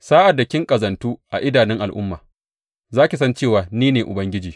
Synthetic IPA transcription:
saː˦ʔa˨dːa˨kʲɪ˦ŋkʼɐ˨zɐ˨ntuː˦ʔa̰˨ʔɪ˦daː˨nɪ˦ŋʔa˨lʔʊ˦mːaː˨ | zaː˦kʲi˨sɐ˦nt͡ʃeː˦˨waː˨niː˦neː˨ʔʊ˨bɐ˦ŋɡʲɪ˦d͡ʒiː˨

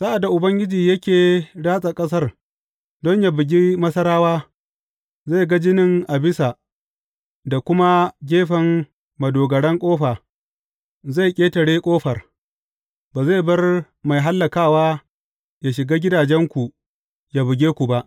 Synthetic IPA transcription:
sa˦ʔa˨dːa˨ʔʊ˨bɐ˦ŋɡʲɪ˦d͡ʒiː˨jɐ˦kʲeː˨ɽaː˦sʼa˨kʼɐ˦s̬ɐ˦r | dɔ˦ɲja˨bɪ˨ɡʲi˦mɐ˦sɐ˦ɾaː˦waː˦ | za˦˨ɡa˦d͡ʒɪ˦nɪ˨ŋʔa˨bɪ˦sa˨ | da˨kʷʊ˦ma˦ɡʲeː˦ɸɐ˨ŋ | mɐ˨doː˨ɡɐ˨ɽɛ˦ŋkʷʼoː˦ɸaː˨ | za˦˨jkʲʼeː˦tɐ˨ɽeː˦kʷʼoː˦ɸɐ˨r | baː˨za˦˨jbɐ˦r | ma˨jɦa˦lːɐ˨kaː˦˨waː˦ | ja˨ʃɪ˨ɡaː˦ɡʲɪ˦daː˨d͡ʒɛ˦ŋkʷu˨ | ja˨bɪ˨ɡʲeː˦kʷu˨ba˦ʔ

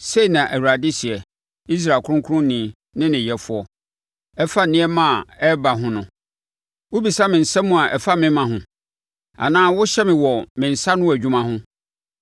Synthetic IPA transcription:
se˦i˨nã˨ʔæ˨wu˨ɾa˨dɪ˦si˨ɛ˨ | i˦s̬ɾaː˨kʰʊ˦ʊ̃˦kʰʊ˦ʊ̃˦nĩ˨˦˨ | nɪ̃˦nɪ̃˨jɛ˨fʊ˨˦ɔ˦ | ɛ˦fa˦nɪ̃˦ɛ˦mã˦˨ɛ˦ba˨ɦʊ̃˦nʊ̃˦ | wʊ˦bi˨sa˦mɪ̃˨n̩˨sã˦mũ˦a˨ʔɛ˨fa˦mɪ̃˦mã˨ɦʊ̃˨ | a̰˨nãː˦wʊ˦ɕɛ˦mɪ̃˨wɔ˨mɪ̃˨n̩˨sa˦nʊ̃˦æ˨u˦mã˦ɦʊ̃˦

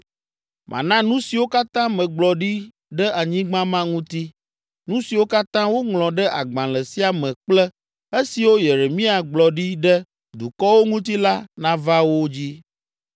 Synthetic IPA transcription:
mʔã̰˨nã˦nũ˦si˨wo˦ka˦t̪ã˦mɛ̃˨ɡ͡blɔ˨ɖi˦ | ɖə˦ʔa˨ɲĩ˦ɡ͡bã˦mã˦ŋũ˦t̪i˦ | nũ˦si˨wo˦ka˦t̪ã˦wo˦ŋlɔ̃˨ɖɛ˦ʔa˨ɡ͡bã˨lɛ˨si˦a˨mɛ̃˨k͡plɛ˦ | e˦si˨wo˦je˨ɾe˨mĩ˦a˨ɡ͡blɔ˨ɖi˦ɖə˦ | d̪u˨kɔ˦wo˦ŋũ˦t̪i˦la˦nã˦va˦wo˦d͡ʑi˦

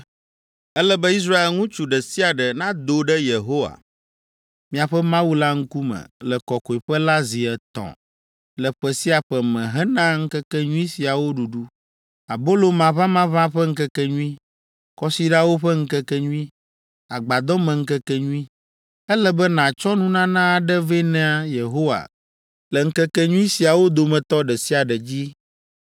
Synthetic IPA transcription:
ɛ˦lɛ˦bɛ˦i˦s̬ɾa˦e˨lŋũ˦t͡ʃu˨ɖɛ˨si˦a˨ɖɛ˨nã˦d̪o˦ɖɛ˦je˨ɦo˦wa̰˨ | mĩ˨a˨ɸɛ˦mã˦wu˦la˦ŋ̩˦ku˦mɛ̰̃˨lɛ˨kɔ˨ko˨i˨ɸɛ˦la˦zi˨ɛ˨t̪ɔ̰̃˨ | lɛ˨ɸɛ˨si˦a˨ɸɛ˨mɛ̃˨ɦɛ˦nã˦ŋ̩˦kɛ˦kɛ˦ɲũ˦i˦si˨a˨wo˦ɖu˨ɖu˦ | a˨bo˦lo˦mã˨βã˦mã˦βã˦ɸɛ˦ŋ̩˦kɛ˦kɛ˦ɲũ˦ĩ˦ | kɔ˦si˦ɖa˦wo˦ɸɛ˦ŋ̩˦kɛ˦kɛ˦ɲũ˦ĩ˦ | a˨ɡ͡ba˨d̪ɔ˦mɛ̃˨ŋ̩˦kɛ˦kɛ˦ɲũ˦ĩ˦ | ɛ˦lɛ˦bɛ˦nã˨t͡ʃɔ˦nũ˦nã˦nã˦a˨ɖɛ˦ve˦nɛ̃˦a˨je˨ɦo˦wa̰˨ | lɛ˨ŋ̩˦kɛ˦kɛ˦ɲũ˦i˦si˨a˨wo˦d̪o˨mɛ̃˨t̪ɔ˦ɖɛ˨si˦a˨ɖɛ˨d͡ʑi˦

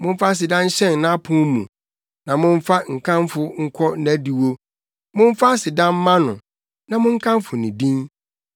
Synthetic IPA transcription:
mʊ̃˦ɱ˦fa˦s̬ɪ˨dã˦n̩˦ɕɛ̃˦˨n˨nã˦pʰʊ̃˦mũ˨ | nã˨mʊ̃˦ɱ˦fa˦ŋ̩˨kʰã˦mfʊ˦ŋ̩˦kʰɔ˦næ˦di˨wo˦ | mʊ̃˦ɱ˦fa˦sɪ˨dã˦m˦mã˦nʊ̰̃˨ | nã˨mʊ̃˦ŋ̩˦kʰã˦mfʊ˨nɪ̃˨dĩ˦n

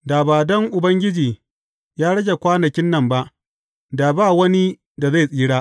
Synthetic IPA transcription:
daː˨baː˨dɔ˦ŋʔʊ˨bɐ˦ŋɡʲɪ˦d͡ʒiː˨ | jaː˦ɽɐ˦ɡʲe˨kʷaː˦nɐ˨kʲɪ˦nːɐ˦˨mba˦ʔ | daː˨baː˦˨wɐ˦ni˦ | da˨za˦˨sʼiː˦ɽaː˦

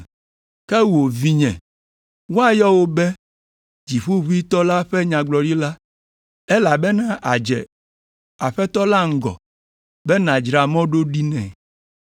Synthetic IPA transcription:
kɛ˦wo˨vi˦ɲɛ̰̃˨ | wo˦a˦jɔ˦wo˦bɛ˦ | d͡ʑi˨ɸu˦βu˦i˦t̪ɔ˦la˦ɸɛ˦ɲã˨ɡ͡blɔ˨ɖi˦la˦ | ɛ˦la˨bɛ˦nã˦ʔa˨d͡ʒɛ̰˨ | a˨ɸɛ˦t̪ɔ˦la˦ŋ̩˦ɡɔ̰˨ | bɛ˦nã˨d͡ʒɾa˨mɔ̃˦ɖo˦ɖi˦nɛ̰̃˨

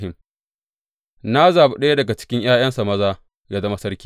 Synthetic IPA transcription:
hɪ˨m | na˦zaː˨bu˦ɗɐ˦ja˦dɐ˨ɡa˨t͡ʃɪ̥˦kʲɪ˦ɲj̰aː˦j̰ɐ˦nsa˨mɐ˦zaː˦ | jaː˦zɐ˦ma˦sɐ˦ɽkʲi̥ː˦

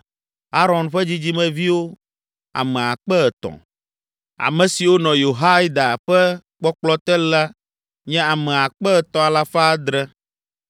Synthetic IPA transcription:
a˦ɾɔ˨nɸɛ˦d͡ʑi˦d͡ʑi˦mɛ̃˨vi˦wo˦ | a̰˨mɛ̃˨a˨k͡pɛ˦ɛ˨t̪ɔ̰̃˨ | a̰˨mɛ̃˨si˨wo˦nɔ̃˨jo˨ɦa˦jd̪a˨ɸɛ˦ | k͡pɔ˦k͡plɔ˦t̪ɛ˦la˦ | ɲɛ̃˦a˨mɛ̃˨a˨k͡pɛ˦ɛ˨t̪ɔ̃˨a˨la˦fa˦a˦d̪ɾɛ˦

